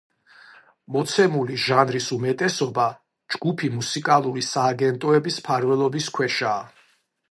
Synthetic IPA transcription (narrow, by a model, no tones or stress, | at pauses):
mɔt̪sʰɛmuliʒanɾisumɛt̪ʼɛsɔba | d͡ʒɡupʰimusikʼalˠuɾisaːɡɛnt̪ʼɔɛbispʰaɾvɛlˠɔbiskʰwɛʃaː